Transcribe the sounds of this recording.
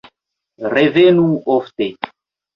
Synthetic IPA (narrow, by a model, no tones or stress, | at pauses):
revenuoft̪e